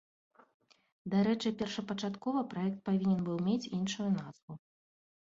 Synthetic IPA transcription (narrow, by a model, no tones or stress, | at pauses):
d̪aɾɛt͡ʂɨpʲɛrʂɐpɐt͡ʂat̪kɔvɐpɾaɛk̚t̪̚pavʲinʲɛnbɨwmʲet͡sʲinʂujunaz̥vu